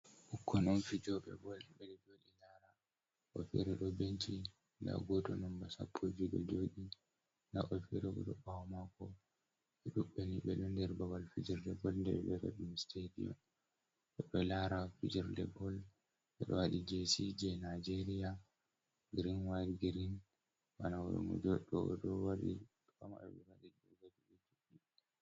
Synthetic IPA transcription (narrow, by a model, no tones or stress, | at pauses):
ʔukʰːɔnɔnfid͡ʒɔɓɛ̰bɔlɓɛɗɛd͡ʒoɗilaɾa | ʔɔ̰fḭɾɛɗɔbent͡ʃi | na̰ɡɔtɔnɔmbasa̰pʰːɔd͡ʒid͡ʒɔ̰d͡ʒoɗi | na̰ʔɔfiɾɛɡɔ̰ɗɔɓawmakɔ | ɓɛɗuɓːɛniɓɛɗundɛɾbawalfid͡ʒiɾdɛɡɔlndɛ̰ɛɓɛfɛ̰ɗimisteɾḭɔ̰ | ɓɛɗɔlaɾafid͡ʒiɾdɛ̰ɡɔl | ɓɛɗɔ̰waɗid͡ʒesid͡ʒɛnad͡ʒeɾija | ɡiɾinwaɾiɡiɾin | wanawɔ̰ɾɔ̰mɔ̰d͡ʒɔɗɔdɔwaɾḭ | kama̰ɗɔ̰ɓɛwaɗid͡ʒɔɡad͡ʒiɡɔd͡ʒoɗi